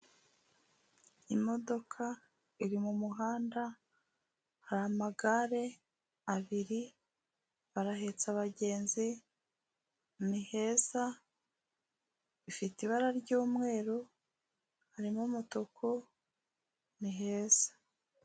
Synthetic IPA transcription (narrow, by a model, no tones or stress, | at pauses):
imo̞do̞kʰa | iɾimumuɦaːnda | haɾaamaɡaɾe̞ | aβiɾi | βaɾaɦe̞t͡saβaɟe̞ːnzi | nihe̞ːsa | ifitiβaɾaɾɟuːmŋe̞ːɾu | haɾimomutokʰo | niɦeːsḁ